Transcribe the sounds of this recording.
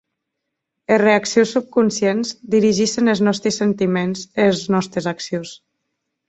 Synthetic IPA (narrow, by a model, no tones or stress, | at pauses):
ereaksiusːup̚kunsjenzd̪iɾiʒiʃenelˠznɔst̪ɾəsent̪imenzelznɔst̪ɾezaksius